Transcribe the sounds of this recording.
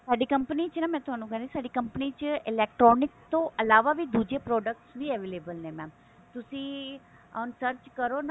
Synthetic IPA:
saːɖikɐ̃mpənit͡ʃnɐmɛ̃t̪oaːnũkɐɾesaːɖikɐ̃mpnit͡ʃɪlɛːk̚ʈɾɔːnɪkt̪oʔɐlaːʋabʱid̪uːd͡ʒepɾɔːɖək̚ʈsbʱiɛʋeːleːbəlnẽmɛ̃ | t̪ʊsĩ | ɔnsəɾt͡ʃkɐɾon

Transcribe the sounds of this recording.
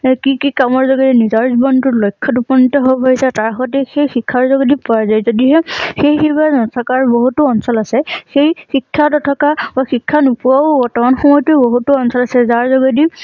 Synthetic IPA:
kikikamɔɹzɔɡɔdinizaɹzbɔntʊlɔjkʰːɔtupɔnitɔɦobɔbaɦisataɹxɔtɛxejxikʰːaɹzɔɡɔdipɔazajzodiɦɛxejxibanɔtʰɔkaɹboɦutuɔnsɔlasɛxejxikʰːatɔtʰɔkabaxikʰːanupuaɡɔɹtɔmanxɔmɔjtuɛboɦutuɔnsɔlasɛzaɹzɔɡɔdi

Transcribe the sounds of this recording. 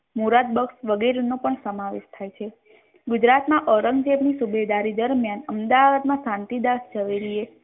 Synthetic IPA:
muɾad̪̚bəksʋəɡeɾenopəɳsəmaʋeʃt̪ʰajt͡ʃʰe | ɡʊd͡ʒɾat̪mãʔəɾəŋɡd͡ʒeʋnisubed̪aɾid̪əɾmjanəmd̪aʋad̪mãsãnt̪id̪asd͡ʒəʋeɾie

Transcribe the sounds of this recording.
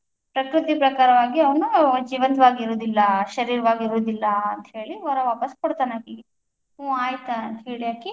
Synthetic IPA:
pɾɐkɾut̪ipɾɐkaːɾɐʋaːɡiɐʋɐnud͡ʒiːʋɐnt̪ɐʋaːɡiiɾoːd̪ilːɐʃɐɾiːɾɐʋaːɡiiɾoːd̪ilːɐɐnt̪ɐɦe̞ːɭiʋɐɾɐʋaːpɐskoɽt̪aːnaːki | ũːaːjt̪aɐnt̪ɦeːɭijaːki

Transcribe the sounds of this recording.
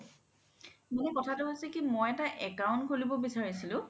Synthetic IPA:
monɛkɔtʰatʊɦojsɛkimojɛtaʔɛkaʊ̃ntkolibɔbisaɹisilʊ̃

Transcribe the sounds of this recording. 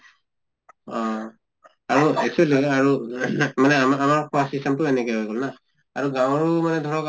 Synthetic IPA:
ɔ | aɹuesuliaɹumanɛamaɹkʰuwasistemtuenɛkejɦojɡɔlnaː | ɹuɡaw̃ɔɹumanɛdʱɔɹɔk

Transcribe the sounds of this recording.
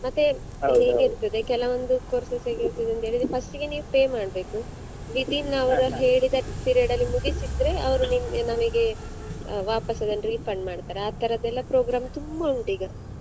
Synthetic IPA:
mɐt̪ːe | ɦeːɡeiɾt̪ːɐd̪e̞kɛlɐʋond̪ukoːɾsɐseɡit̪id̪ɐnt̪e̞ːɭid̪ɾepɐsʈiɡeniːʋupeːmaːɽbe̞ːku | ʋid̪inːɐʋɐɾuɦeːɭid̪ɐpiːɾijɖɐlːimuɡisid̪ɾe̞ɐʋɐɾuninɐmɐɡe̞ | ʋaːpɐsɐd̪ɐnɾiːpʰɐɳɖmaːɖt̪aːɾeaːt̪ːɐɾɐd̪ɛlːɐpɾoːɡɾaːmt̪umbɐuɳʈiːɡɐ

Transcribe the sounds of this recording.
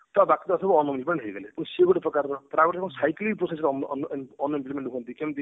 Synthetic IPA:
t̪ɔbakit̪ɔɔsʰɔbɔɔnimplimeɳʈɦejɡelepuñsieɡoʈipɾɔkaɾɾɔp̪ɾabeʈ̪ʰkɔ̃ñsajkliɡpɾosesɾnnɔnimplimẽɳʈukʰɔnt̪ikemt̪i

